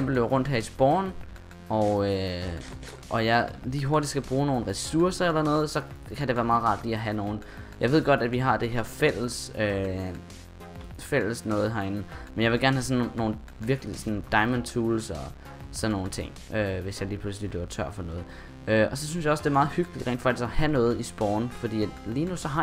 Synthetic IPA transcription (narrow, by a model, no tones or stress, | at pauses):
em̰b̥l̩doʁɔ̽n̰d̥ɦæɐisb̥ɒːn | ɒø | ʔɒ̽jɑ̈ɪliːɦoɐd̥id̥sɡ̥æb̥ʁuːno̝ːn̩ʁɛsuɐsɐelɐnɔ̽ːð̞̩ˠsɒ̽kʰæɾeʋæːɐmɑ̈ːð̩ˠʁɑ̈d̥liæɦæno̝ːn̩ | jʔɑ̈ɪʋe̝ð̞̰ˠɡ̥ɒ̽d̥æ̥ʋiɦɑ̈d̥e̝ɦe̝ɐ̰fel̰əsø | fel̰əsnɔ̽ːð̞̩ˠɦæɐe̝nn̩menjaɪʋe̝lɡæɐnhæsɒ̽nːo̝ːn̩ | ʋiɐɡ̥əlisɒnd̥ɑ̈ɪmənt͡sʰuːlsɒ | sɒ̽nːo̝ːn̩t͡sʰe̝ŋ̰ʔøʋe̝sjɑ̈ɪliːpʰlus̬lile̝ʊɐt͡sʰɶɐ̰fɒ̽nɔ̽ːð̞̩ˠ | øɒsɒ̽synsjɑ̈ɒ̽sd̥e̝ɐmɑ̈ːð̞̩ˠhyɡ̥əlid̥ʁɛ̰ːnd̥fɑ̈ɡ̥d̥isɒhænɔ̽ːð̞̩ˠisb̥ɒːnfɒd̥ḭːæd̥liːnusɒ̽ɦɑ̈